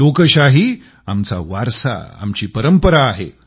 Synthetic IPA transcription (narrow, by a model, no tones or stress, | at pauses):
okəɕaɦi | amt͡sa̰ʋaɾsa̰a̰mt͡ɕiːpəɾəmpəɾaːɦḛ